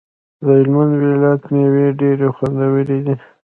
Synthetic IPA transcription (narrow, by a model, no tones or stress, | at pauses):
d̪əhɪlmand̪wilat̪neweɖeɾexwand̪awəled̪i